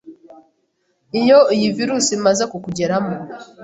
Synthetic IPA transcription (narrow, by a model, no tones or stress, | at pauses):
ijoijiviɾusimazekukuɟeɾamu